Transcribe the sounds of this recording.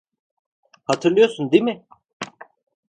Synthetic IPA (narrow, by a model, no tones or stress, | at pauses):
hat̪ʰɯɾlˠɯjoɾsund̪emɪ